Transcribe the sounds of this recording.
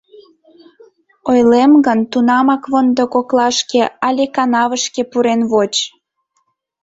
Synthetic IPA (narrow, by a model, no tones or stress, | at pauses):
ojlemɡənt̪unɑmɑkβond̪okoklɑʃkeɑlʲekɑnɑβəʃkepuɾenβot͡ɕ